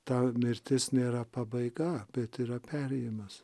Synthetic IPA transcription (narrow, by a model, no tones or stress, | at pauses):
t̪ɐmʲɪɾʲt̪ʲɪsnʲeːɾɐpɐbɐɪɡɐbʲɛt̪iːɾɐpʲæɾʲɛjɪmɐs